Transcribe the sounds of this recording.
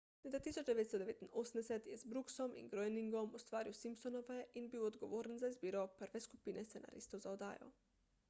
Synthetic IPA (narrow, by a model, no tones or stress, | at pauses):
let̪at̪iːsot͡ʃd̪eʋeːt̪st̪d̪eʋeːt̪inosmd̪ɛsɛt̪jɛzbɾuksomḭnɡɾojniŋɡomust̪ʋaːɾiwsimpsonoʋɛʔinbiːwod̪ɡoʋoːɾenzaizbiːɾopəɾʋeskupiːnɛst̪enʔa̰ːɾḭst̪ozaod̪a̰ːjo̰